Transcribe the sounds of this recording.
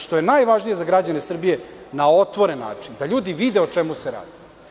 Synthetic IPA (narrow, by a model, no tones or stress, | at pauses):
ʃt̪o̞je̞najʋaʒnije̞zaɡɾad͡ʑanesr̩bijenao̞t̪ʋo̞ɾenːa̰ːt͡ʂind̪aʎuːd̪iʋid̪eo̞t͡ʂemuseɾa̰ːd̪i